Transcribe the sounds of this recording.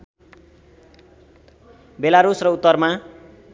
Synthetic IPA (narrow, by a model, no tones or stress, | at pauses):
belaɾusrʌut̪ːʌrma